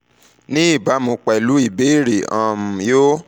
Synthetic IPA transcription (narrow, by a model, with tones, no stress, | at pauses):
nĩ˦i˦˨ba˨˦mõ˧k͡pɛ˨lu˨˦i˦˨be˨˦˨ɾe˨ã˨m̩˨jo˦